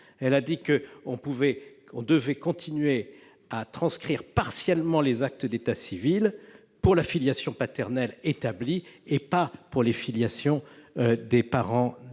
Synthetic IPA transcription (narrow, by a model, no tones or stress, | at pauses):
ɛlad̪ikəɔ̃puvɛ | ɔ̃d̪əvɛkɔ̃t̪ʰinɥe | at̪χɑ̃skχiʁpaʁsjɛlmɑ̃lezak̚t̪əd̪et̪asivil | puʁlafiljasjɔ̃pat̪ɛʁnɛlet̪abliepapuʁlefiljasjɔ̃d̪epaʁɑ̃